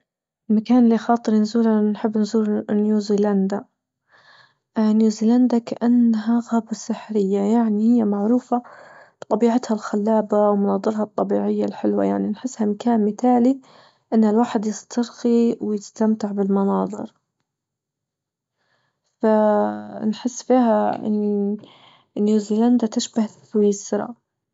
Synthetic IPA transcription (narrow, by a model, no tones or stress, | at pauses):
ʔɪlmakaːnɪlːixɑːt̪ˤɨɾnzuːlanħɪbːnzuːlnjuːziːland̪a | njuːziːland̪akaʔanːɦaɣabasɪħɾɪjːajaʕnihɪjːamaʕɾuːfab̥t̪ˤɑbiːʕat̪halxalːaːbawmʊnɑːd̪ˤɨɾˤhɑt̪ˤːɑbiːʕɪjːalħɪlwa̰jaʕninħɪsːhamakaːnmɪt̪aːli | ʔɪnːhalwaːħɪd̪jɪst̪ʰɑɾxiwɪjɪst̪amt̪ɪʕbɪlmɑnɑːðˤɨ̰ɾ | fa | nħɪsːfiːɦaʔɪ̰nː | njuːziːland̪at̪ɪʃbah | wiːsɾˤɑ̰